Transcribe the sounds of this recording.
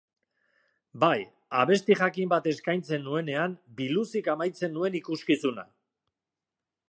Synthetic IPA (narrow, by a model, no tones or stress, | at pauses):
baj | a̰βe̞st̪ixakimbat̪e̞skajnt͡se̞nːue̞ne̞ambilusikamajt͡se̞nːue̞nikuskisuna̰